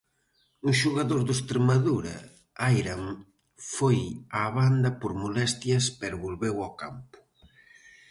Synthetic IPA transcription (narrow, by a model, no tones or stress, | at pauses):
uʃuɣaðoɾðest̪ɾemaðuɾa̰ | ajɾaŋ | fojaβand̪ɐpoɾmolɛst̪jɐspɛɾβolβewakampʊ̥